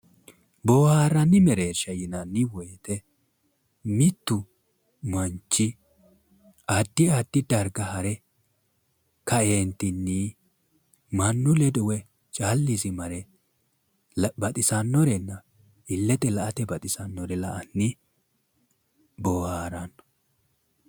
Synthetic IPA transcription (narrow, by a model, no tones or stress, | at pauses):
boːhaːɾɐnːɪmɛɾeːʃɐjɪnɐnːɪwɔjt̪ɛ | mɪt̪ːʊ | mɐnt͡ʃːɪ | ad̪ːɪad̪̥ːɪd̪ɐɾɡɐhɐɾɛ | kɐeːnt̪ɪnːi | mɐnːʊlɛd̪ʊwɛ | t͡ʃʼaːlːisɪmɐɾɛ | bɐt̪ʼɪsɐnːɔɾɛnːɐ | ɪlːɛt̪ɛlɐʔɐt̪ɛbɐt̪ʼɪsɐnːɔɾɛlɐʔɐnːɪ | bɔːhaːɾɐnːɔ̥